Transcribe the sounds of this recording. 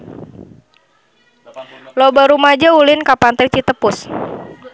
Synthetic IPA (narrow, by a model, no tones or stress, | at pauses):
lobaɾumad͡ʒaulɪnkapant̪it͡ʃit̪əpʊs